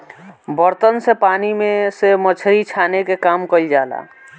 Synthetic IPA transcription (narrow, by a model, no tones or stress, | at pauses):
bəɾt̪ənsepaːnimẽsemət͡ʃʰɾit͡ʃʰaːnekekaːmkəild͡ʒaːla̰ː